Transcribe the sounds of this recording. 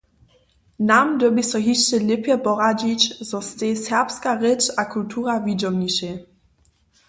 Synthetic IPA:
namdəbisɔɦiʃt͡ʃɛlɪpjɛpɔʁad͡ʑit͡ɕzɔst̪esɛʁpskaʁɛt͡ʃakultʰuːʁavid͡ʒɔmɲiʃɛ

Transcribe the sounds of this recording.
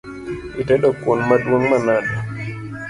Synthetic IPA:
itɛɗɔkwonmadwoŋmanadɔ

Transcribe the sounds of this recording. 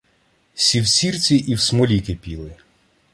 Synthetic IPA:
sʲiwsʲirt͡sʲiʔiwsmɔlʲikɪpʲilˠɪ

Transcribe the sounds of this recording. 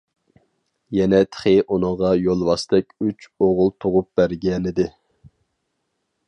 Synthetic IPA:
jɛnɛt̪ʰχɪʔunɨŋʁɑjolˠwɑst̪ɛkʲyt͡ʃoʁʊlˠt̪ʰoʁʊp̚b̥æɾɡʲɛnɪd̪ɪ

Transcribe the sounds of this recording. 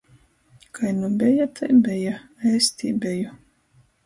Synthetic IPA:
kʰajnubʲɛjat̪ʰajbʲɛjaɛjst̪ʲiːbʲɛju

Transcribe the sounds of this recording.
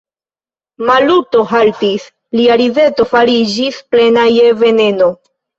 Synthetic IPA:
maluto̞ɦaltis | liaɾive̞to̞faɾid͡ʒisple̞naje̞ve̞ne̞no̞

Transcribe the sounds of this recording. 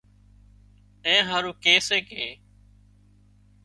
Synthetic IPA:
ẽːɦaːɾũːkeːseːkeː

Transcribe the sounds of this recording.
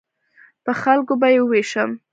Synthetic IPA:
pəxalkobajeweʃəm

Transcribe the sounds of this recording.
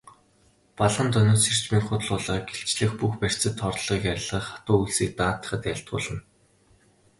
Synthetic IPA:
paɮʁə̆nt̪œnʊːsir̥t͡ɕmiːkχʊt̪ɮʊːɮə̆ːɡeɬt͡ɕɮɘ̆xpuxpær̥t͡sɘ̆t̪ʰːɔrtɮʁiːkæɾʲɪ̆ɮʁə̆χḁt̪ʊːuɮsiːk̚t̪aːt̪ə̥̆χə̆t̪jæɬt̪̚ɢʊ̰ːɮə̆n

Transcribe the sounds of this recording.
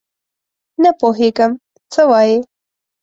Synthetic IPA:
napoɦeɡəm | t͡səwɑje

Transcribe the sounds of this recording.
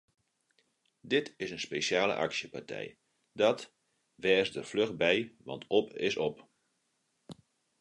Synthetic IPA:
dɪtɪsənspesjaːlə̰ʔa̰ksjəpartʰɛ̰j | dɔt | ʋɛːsdərfløxbɛjʋɑ̰ntɔpɪ̰sɔp

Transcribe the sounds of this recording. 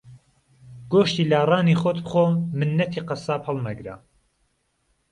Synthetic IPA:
ɡ̥oːʃt̪iːlaːrɑːniːxot̪bχoːmɨnːɐt̪ʰiːqɑsaːphɐlˠmɐɡɾa̰

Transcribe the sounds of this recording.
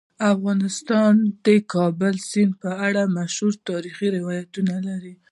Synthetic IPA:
afɣɑnɪst̪ɑnd̪̥ekɑbʊlsɪnpəaɽamaʃhuɾt̪ɑɾixiɾɪwɑjat̪unalaɾi

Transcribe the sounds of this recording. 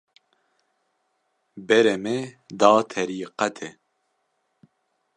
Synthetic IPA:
bɛɾɛmed̪ɑːt̪ʰɛɾiːqɛt̪ʰɛ

